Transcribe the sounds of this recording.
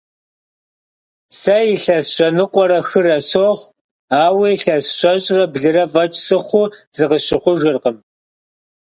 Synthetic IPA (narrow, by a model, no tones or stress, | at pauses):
sɐjɪɬɐsɕʷɔnɨqʷʼɔɾɐxɨrɐsoχʷ | aːweɬɐsɕʷɔɕʼrɐbɮɨɾɐvʼɐt͡ʃʼsɨχʷʊz̥ɨqəɕɪχʷʊʒɨrqəm